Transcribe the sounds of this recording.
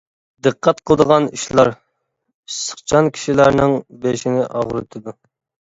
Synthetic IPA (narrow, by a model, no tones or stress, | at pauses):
d̪əqːæt̪̚qʰəlˠəd̪əʁɑniʃlˠɑɾ | isə̥χt͡ʃʰɑnkʲʰi̥ʃilæɾnɪŋbeʃinɪʔɑʁɾɨt̪ʰɨd̪u